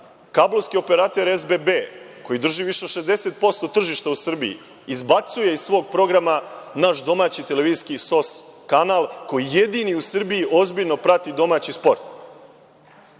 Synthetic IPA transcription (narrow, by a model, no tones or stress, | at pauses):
kablˠoʋskio̞peɾaːt̪e̞ɾezbebe | ko̞jid̪r̩ʒiʋiʃeʃe̞zd̪e̞se̞t̪̚po̞st̪o̞t̪r̩ʒiʃt̪ausr̩bḭḭ | izbat̪suje̞izssʋo̞ːɡ̚pɾo̞ɡɾamanaʃd̪o̞maːt͡ɕit̪e̞leʋiːiskiso̞skanalˠkojije̞d̪iniusr̩biiʔo̞zbiʎno̞pɾat̪id̪o̞maːt͡ɕispo̞ɾt̪